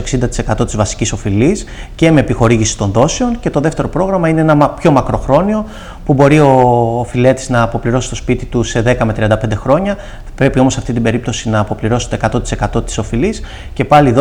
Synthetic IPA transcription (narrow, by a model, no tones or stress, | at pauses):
ksind̪ɐt̪i̥se̞kɐt̪o̞t̪izvɐsi̥ciso̞filisce̞meːpixo̞ɾiʝisi̥t̪o̞nðo̞seo̞nce̞t̪o̞ðe̞ft̪e̞ɾo̞pɾo̞ɣɾɐmɐineenɐmpço̞mɐkɾo̞xɾo̞nio̞ | pubo̞ɾio̞file̞t̪i̥znɐːpo̞pliɾo̞si̥st̪o̞spit̪it̪use̞ðe̞kɐmet̪ɾiɐnd̪ɐpe̞nd̪e̞xɾo̞ɲɐ | pɾe̞pio̞mosɐft̪it̪ibe̞ɾip̚t̪o̞sinɐːpo̞pliɾo̞si̥t̪o̞ekɐt̪o̞t̪ise̞kɐt̪o̞t̪i̥so̞filis | ce̞pɐlið